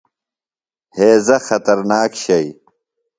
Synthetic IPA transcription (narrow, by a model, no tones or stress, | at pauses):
heːzɐxɐt̪ɐɾnaːkɕɐj